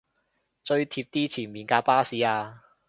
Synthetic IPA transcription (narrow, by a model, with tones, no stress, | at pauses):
t͡ʃɵ˧ɥt̪ʰiː˧p̚t̪iː˥t͡sʰiː˨˩nmiː˨˩nkaː˧paː˥siː˨˥aː˧